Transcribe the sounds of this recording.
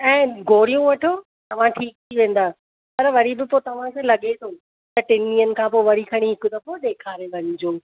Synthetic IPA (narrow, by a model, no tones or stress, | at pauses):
ɛ̃ːɡʱoːɾijũʋɐʈʰoː | t̪ɐʋ̤ãʈʰiːk̚t̪ʰiʋẽːn̆d̪aː | pɐɾʋɐɾibɪpoːt̪ɐʋ̤ãkʰelɐɠet̪ʰoː | t̪ɐʈɪnːiːənɪ̆kʰãːpoːʋɐɾikʰɐɽ̃iɦɪkʊt̪ɐpoɗ̪eːkʰaːɾeʋɐɲʊ̃d͡ʑoː